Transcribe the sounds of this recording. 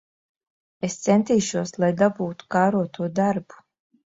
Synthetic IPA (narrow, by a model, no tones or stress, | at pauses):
ɛst̪sɛnt̪iːʃuɔslˠajd̪abuːt̪u̥kaːɾuɔt̪ʰuɔd̪aɾbu̥